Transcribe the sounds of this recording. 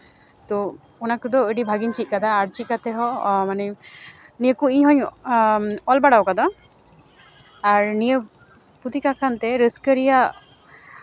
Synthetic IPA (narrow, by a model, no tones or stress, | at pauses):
t̪ɔ | ɔnakɯd̪ɔəɖibʱaɡint͡ʃit̪̚kad̪aːɾt͡ʃikat̪ʰɛɦɔmanɛ | niəkuiɲɦɔɲ | ɔlbaɽawkad̪ɔ | aɾnijə | put̪ikakʰant̪ɛɾəskəɾija